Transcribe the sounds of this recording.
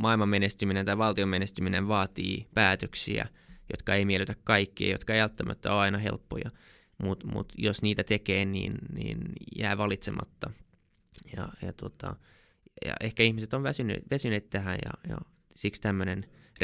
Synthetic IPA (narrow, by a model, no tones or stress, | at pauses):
mɑilmɑmːenest̪yminent̪ɑiʋɑlt̪iomːenest̪ymineʋʋɑːt̪iːpæːt̪øksḭæ̰ | jo̰t̪kɑeimielyt̪ækkɑikːiɑ̰jot̪kɑeiʋælt̪ːæmʔæ̰t̪ːæoɑinɑhḛlpːojɑ | mut̪mṵt̪josniːt̪æt̪ekeːnḭːnnḭːnjæːʋɑlit̪semʔɑ̰t̪ːɑ | jɑ̰jɑt̪uot̪ɑ̰ | jɑ̰ʔehkæihmiset̪oʋʋæsyny̰ʋesyneːt̪t̪æhæjjɑ̰jɑ | sikst̪æmːønen